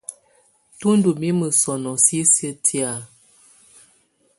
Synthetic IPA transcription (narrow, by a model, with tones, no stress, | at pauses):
tu˦n˦du˨mi˦mə˨sɔ˨nɔ˨si˦sə˦tʰi˦a˨